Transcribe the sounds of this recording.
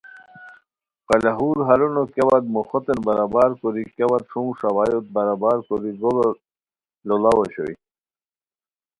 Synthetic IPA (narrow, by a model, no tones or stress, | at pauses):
qɑlaɦuːɾɦɐɾunokewad̪moxot̪enbɐɾabaːɾkoɾikewat̪ʂũːʂawaːjot̪̚bɐɾabaːɾkoɾiɡolo | lolawoɕo̰ḭ